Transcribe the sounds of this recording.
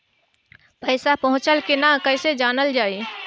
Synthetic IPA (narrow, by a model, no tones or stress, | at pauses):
pəɪsapəɦʊ̃t͡ʃəlkenakəɪsed͡ʒaːnəld͡ʒaːi